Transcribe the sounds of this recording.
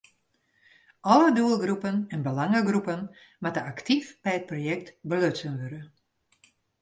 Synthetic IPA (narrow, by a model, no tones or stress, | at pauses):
ʔɔləduəlˠɡrupənɛnbəlaŋəɡrupən | matəaktifb̥ɛjət̚projɛk̚tbəløtsənʋøɾə